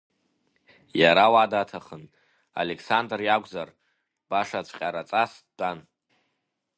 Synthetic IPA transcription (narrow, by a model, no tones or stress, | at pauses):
jaɾawadatʰaχən | a̰lekʰsandrjaɡʷʼzar | b̥aʂat͡ɕʷʰʼqʲʼaɾat͡sʼas | dan